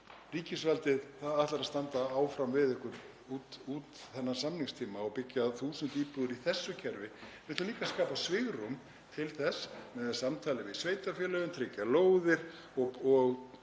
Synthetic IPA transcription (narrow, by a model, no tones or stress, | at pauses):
riːcɪsvalt̪ɪðθaðaht̪laɾaðst̪ant̪aaːwfɾamvɪðɪhkʏɾ | ut̪uːt̪θɛnːasamniŋst̪ʰiːmaɔwpɪcjaθuːsʏnt̪iːpʏðʏɾiθɛsːʏcʰɛɾvɪmɪt̪lʏliːkaskaːpasvɪɣɾum | t̪ʰɪlθɛsmɛðasamt̪ʰaːlɪvɪðsvejt̪afjɛlœɣʏmt̪ʰɾɪcːaloːwðɪɾ̥ | ɔɔɣ